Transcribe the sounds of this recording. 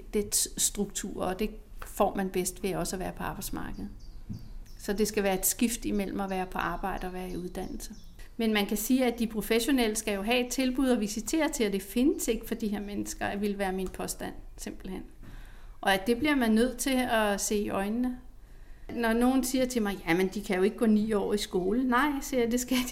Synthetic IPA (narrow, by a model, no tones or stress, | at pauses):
d̥ed̥ssd̥ʁuɡ̥̚t͡sʰṵɐ̰ɒ̽d̥e̝ | fɒ̰ːmænb̥esd̥ʋe̝jaɒ̽sɒʋæːɐpʰɒ̽ɑ̈ːb̥ɑ̈ɪ̥smɑ̈ːɡ̥əð̞̩ˠ | sɒ̽d̥e̝sɡ̥æʋæːɐe̝d̥sɡ̥ifd̥imel̰m̩ɒʋæːɐpʰɒ̽ʔɑ̈ːb̥ɑ̈ɪ̰d̥əɒ̽ʋæːɐiuð̞ˠd̥æn̰l̩sə | menmænkʰæsiːæd̥ipʰʁo̝feɕo̝nel̰əsɡ̥æjo̝ɦɛ̰ed̥̚t͡sʰe̝lb̥uð̰ˠɒ̽ʋisit͡sʰe̝̰ːɐt͡sʰe̝læd̥e̝fe̝nəse̝ɡ̥fɒ̽d̥iɦeɐmenəsɡ̥ɐæʋe̝lʋæːɐminpʰɒ̽sd̥æn̰se̝m̰b̥l̩hen̰ | ʔɒ̽æd̥e̝b̥liɐmænnːøð̞̰ˠt͡sʰe̝ɒse̝̰ːiʔɒ̽ɪnːə | nɒno̝ːn̩siːɐt͡sʰe̝mɑ̈ɪjæmend̥ikʰæjo̝e̝ɡ̥ɡ̥ɔ̰̽ːnḭːɒ̰ːisɡ̥o̝ːlənɑ̈ɪ̰siɐjd̥e̝sɡ̥æd̥